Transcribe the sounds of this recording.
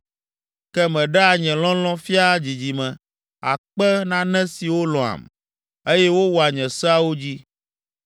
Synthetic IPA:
kɛ˦mɛ̃˨ɖɛ˦a˨ɲɛ̃˨lɔ̃˦lɔ̃˦fi˦a˦d͡ʑi˨d͡ʑi˨mɛ̃˨ | a̰˨k͡pɛ˦nã˦nɛ̃˦si˨wo˦lɔ̃˨a̰˨m | e˦jɛ˦wo˦wɔ˨a˨ɲɛ̃˨sa˦wo˦d͡ʑi˦

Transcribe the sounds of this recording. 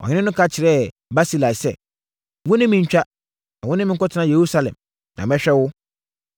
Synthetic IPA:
ɔ̰˨ɲɪ̃˦ɪ̃˦nʊ̃˦kʰa˦t͡ɕʰɪ˨ɾɛ˦ | ba˦si˦la˨sɛ̰˨ | wʊ̃˦nɪ̃˦mɪ̃˨ɲ̩˦t͡ɕᶣa˦ | ã˨wʊ̃˦nɪ̃˦mɪ̃˦ŋ˦kɔ˦tʰɪ˨˦nã˦˨je˨ɾu˦sa˦lɛ̰̃˨m | nã˨mɛ̃˦ɕᶣɛ˦wʊ˦

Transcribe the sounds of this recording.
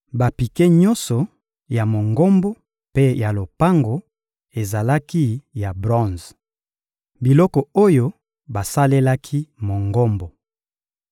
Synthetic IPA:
ba˨pi˨ke˦ɲɔ˦nsɔ˨ | ja˨mo˨ŋɡo˦mbo˦ | pe˦ja˨lo˨pa˦ŋɡo˨ | e˨za˨la˦ki˦ja˨bʁɔ̃˦˨z | bi˨lɔ˦kɔ˨o˦jo˦ | ba˨sa˦le˦la˦kʰi˦mo˨ŋɡɔ˦mbo˨

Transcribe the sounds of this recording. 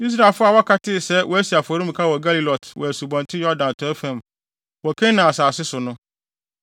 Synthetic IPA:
i˦s̬ɾa˨lfʊ˦a˨wɔ˦kʰa˦tʰɪ˦˨sɛ˦wʔɔ˦æ˦si˨a˨fɔ˨ɾĩ˦m̩˨kʰa˦wɔ˨ɡa˦li˨lɔ˨tʰwɔ̰˨æ˨su˨bɔ̃˨ntʰɪ˦jɔ˦dã˨n˨tʰɔ˦fɛ̃˦˨m | wɔ˨kʰɛ̃˦nã˨a˨saː˨sɪ˦sʊ˨nʊ̃˦

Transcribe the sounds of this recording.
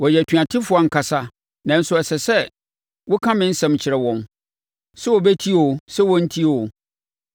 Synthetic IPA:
wɔ˨jɛ˨tʰɥa˨tʰɪ˦fʊ˦a˨ŋ̩˨kʰa˨sa˦ | nã˨n̩˦sʊ˦ɛ˨sɛ˨sɛ˦ | wʊ˦kʰã˦mɪ̃˦n̩˦sɛ̃˦mt͡ɕʰɪ˨ɾɛ˨wɔ̃˨n | sɛ˦wɔ˨bɛ˦tʰi˦o˨sɛ˦wɔ̃˦n̩˦tʰi˦o˨

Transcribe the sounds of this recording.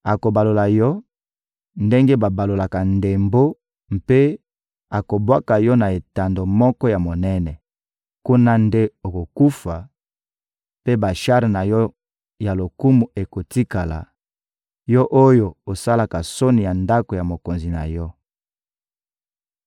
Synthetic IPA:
a˨ko˨ba˨lo˨la˨jɔ˦ | nde˦ŋɡe˦ba˨ba˨lo˨la˨ka˨nde˨mbo˦ | mpe˦ | a˨ko˨bwa˦ka˨jɔ˦na˨e˨ta˨ndo˨mɔ˦kɔ˦ja˨mo˨nɛ˦nɛ˨ | ku˦na˦nde˦o˨ko˨ku˦fa˨ | pe˦ba˨ʃa˦ʁi˨na˨jɔ˦ | ja˨lo˨ku˦mu˨e˨ko˨ti˦ka˨la̰˨ | jɔ˦ʔo˦jo˨o˨sa˦la˨ka˨so˦ni˨ja˨nda˦ko˨ja˨mo˨ko˨nzi˨na̰˨jɔ˦

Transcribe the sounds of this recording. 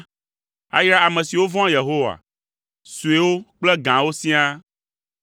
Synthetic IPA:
a̰˦jɾa˦a˨mɛ̃˨si˨wo˦vɔ̃˦je˨ɦo˦wa̰˨ | su˨e˨˦wo˦k͡plɛ˦ɡã˨wo˦sĩ˦a˦

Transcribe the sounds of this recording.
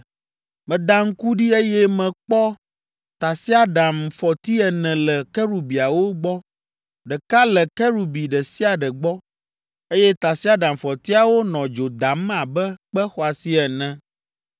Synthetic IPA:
mɛ̃˨d̪a˦ŋ̩˦ku˦ɖi˦e˦jɛ˦mɛ̃˨k͡pɔ˦ | t̪a˨si˦a˦ɖa˨mfɔ˨t̪i˦ɛ˨nɛ̃˨lɛ˨kɛ˦ɾu˨bi˨a˨wo˦ɡ͡bɔ˦ | ɖɛ˨ka˦lɛ˨kɛ˦ɾu˨bi˨ɖɛ˨si˦a˨ɖɛ˨ɡ͡bɔ˦ | e˦jɛ˦t̪a˨si˦a˦ɖã˨mfɔ˨t̪i˦a˨wo˦nɔ̃˨d͡ʒo˨d̪a˨m˦ã˨bɛ˦k͡pɛ˦xɔ˦a˨si˦ɛ˨nɛ̃˦

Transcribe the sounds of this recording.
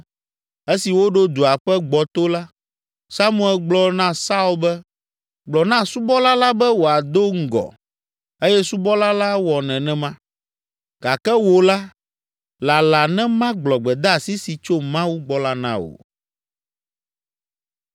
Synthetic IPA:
e˦si˨wo˦ɖo˦d̪u˨a˨ɸɛ˦ɡ͡bɔ˨t̪o˦la˦ | sa˦mũ˨ɛ˨lɡ͡blɔ˨nã˦sa˦u˦lbɛ˦ | ɡ͡blɔ˨nã˦su˦bɔ˦la˦la˦bɛ˦wo˨a˨d̪o˦ŋ̩˦ɡɔ̰˨ | e˦jɛ˦su˦bɔ˦la˦la˦wɔ˨nɛ̃˨nɛ̃˦mã˦ | ɡa˨kɛ˦wo˨la˦ | la˨la˨nɛ̃˦mã˦ɡ͡blɔ˨ɡ͡bɛ˨d̪a˦a˨si˦si˨t͡ʃo˦mã˦wu˦ɡ͡bɔ˦la˦nã̰˦o̰˨

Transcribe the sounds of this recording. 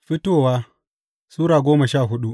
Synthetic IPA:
ɸɪ˦toː˦˨waː˦ | suː˦ɽaː˨ɡʷoː˦mɐ˨ʃaː˦˨ɦʊ˦ɗu˦ʔ

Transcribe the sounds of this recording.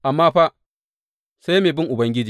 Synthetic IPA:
ʔa˨mːaː˦ɸa˦ʔ | sa˦jmeː˨bɪ˦ŋʔʊ˨bɐ˦ŋɡʲɪ˦d͡ʒiː˨

